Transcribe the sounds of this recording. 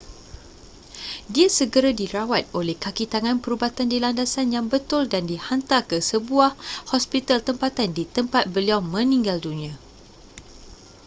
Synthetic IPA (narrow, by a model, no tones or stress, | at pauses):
diasəɡəɾadiɾawat̪̚olɛhkakit̪aŋãnpəɾubat̪andilandasanjaŋbət̪ʊldandihant̪akəsəbuahhɔspit̪alt̪əmpat̪andit̪əmpat̪̚bəliawmə̃nĩŋɡaldunĩã